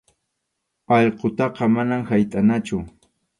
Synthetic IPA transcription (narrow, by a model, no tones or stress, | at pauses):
ɑʎqot̪ɑqɑmanamhajt̪ʼanat͡ʃʊ